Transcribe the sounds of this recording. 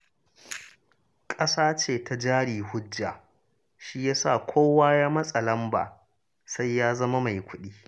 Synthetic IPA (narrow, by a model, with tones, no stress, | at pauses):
kʼɐ˦saː˦t͡ʃeː˨tʰa˨d͡ʒaː˦ɽiː˨hʊ˦d͡ʒːa˨ | ʃi˦jaː˦sa̰˦˨kʷʰoː˦waː˦jaː˦mɐ˦sʼɐ˨lɐ˦mba̰ː˨ | sa˦jːaː˦zɐ˦ma˦ma˨jkʷʊ˦ɗiː˦